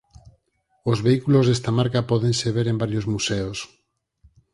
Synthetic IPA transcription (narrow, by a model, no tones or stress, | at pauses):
ozβeikulozðest̪amaɾkapɔðẽnseβ̞eɾembaɾjozmuseos